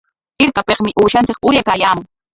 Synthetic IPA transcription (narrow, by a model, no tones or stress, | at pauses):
ɪɾkapeqmɪʔuːʃant͡sɪkʊɾjakaːjaːmʊŋ